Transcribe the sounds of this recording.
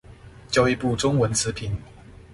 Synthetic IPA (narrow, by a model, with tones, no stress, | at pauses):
t͡ɕjo˥˧ʊi˥˧pu˥˩ʈ͡ʂʊ˥ŋwə˧˥nt͡sʰɹ̩˧˥pʰi˨˦n